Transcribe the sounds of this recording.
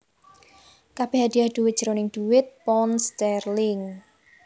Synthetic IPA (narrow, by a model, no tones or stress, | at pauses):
kab̥eɦad̪̥iahd̪̥uwɪt̪̚ʒ̥əɾonɪŋd̪̥uwɪt̪̚pɔnst̪ɛrlɪŋ